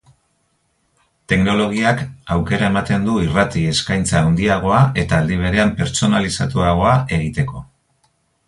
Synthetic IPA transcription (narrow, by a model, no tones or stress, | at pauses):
t̪e̞kno̞lo̞ɣ̞iakawke̞ɾae̞mat̪e̞nd̪uirat̪ie̞skajnt͡saːwnd̪iaɣ̞o̞ae̞t̪aːld̪iβ̞e̞ɾe̞ampe̞ɾt͡so̞nalisat̪uaɣ̞o̞ae̞ɣ̞it̪e̞ko̞